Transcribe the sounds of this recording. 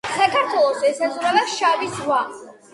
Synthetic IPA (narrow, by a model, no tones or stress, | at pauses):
sakʰaɾt̪ʰwɛlˠɔsɛsazʼɾavɛʃavisvwa